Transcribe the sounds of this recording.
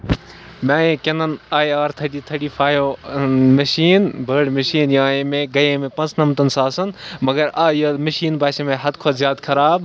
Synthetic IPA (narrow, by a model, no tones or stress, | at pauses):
mãːẽːkɐnɐnaːjaːɾt̪ʰɐʈiːt̪ʰɐʈiːfʰaːjoːmɐʃiːnbʱəːɽmɐʃiːnjãːẽmẽɡɐjẽmẽpɐ̃nt͡snɐmt̪ɐnsaːsɐnmɐɡɐɾaːjomɐʃiːnbaːsemẽɦɐd̪kʰozjaːd̪kʰɐɾaːb